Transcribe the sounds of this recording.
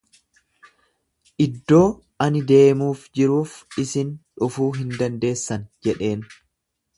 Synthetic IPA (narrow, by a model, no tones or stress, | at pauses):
ʔɪd̪ːo̞ː | ɐnɪd̪e̞ːmuːfd͡ʒɪɾuːfɪsɪnᶑʊfuːɦɪnd̪ɐnd̪e̞ːsːɐnd͡ʒɛᶑe̞ːn